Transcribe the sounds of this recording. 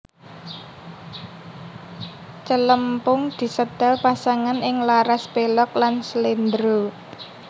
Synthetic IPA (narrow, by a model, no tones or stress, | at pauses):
t͡ʃələmpʊŋd̪̥i̤səd̪̥alpasaŋanɪŋlaɾaspelɔk̚lanslend̪ɾo